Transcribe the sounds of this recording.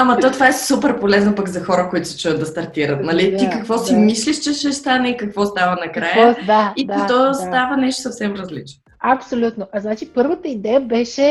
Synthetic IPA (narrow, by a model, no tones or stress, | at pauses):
ɐmɐt̪ɔt̪ovaɛsupɛɾpolɛznəpɐkzɐxɔɾəkoit̪ʊ̥si̥t͡ʃuɛəd̪̚d̪ɐst̪ɐɾt̪iɾət̪nɐlit̪ikɐkvɔsimisliʃt͡ʃɛʃɛst̪anɛikɐkvɔst̪avənɐkɾajəaid̪ɔsst̪avənɛʃt̪o̥sɐfsɛmɾɐzlit͡ʃno | ɐpsolʲut̪noʔɐznat͡ʃipɤɾvət̪əid̪ɛjəbɛʃɛ